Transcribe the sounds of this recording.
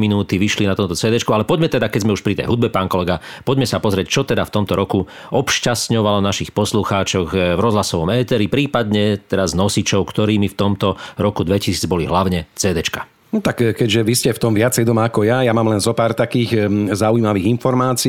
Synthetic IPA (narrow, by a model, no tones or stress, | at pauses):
minuːt̪iʋiʃlinat̪ɔmt̪ɔt͡sɛːd̪ɛt͡ʃkualɛpɔɟmɛt̪ɛd̪akɛɟzmɛuʃpɾit̪ɛ̰jɦud̪̚bɛpaːnkɔlɛɡa | pɔɟmɛsapɔzɾɪɛct͡ʃɔt̪ɛd̪aft̪ɔmt̪ɔɾɔku | ʔɔpʃcast̪ɲɔʋalɔnaʃixpɔsluxaːt͡ʃɔɣvɾɔzɦlasɔʋɔmɛːt̪ɛɾipɾiːpad̪ɲɛt̪ɛɾaznɔsit͡ʃɔʊkt̪ɔɾiːmift̪ɔmt̪ɔɾɔkud̪ʋɛcisiːd͡zbɔliɦlaʊɲɛt͡sɛːd̪ɛt͡ʃkḁ | nɔt̪akkɛɟʒɛʋiscɛft̪ɔmʋɪat͡sɛjd̪ɔmakɔjajamaːmlɛnzɔpaːɾt̪akiːɣzaujimaʋiːɣinfɔɾmaːt͡si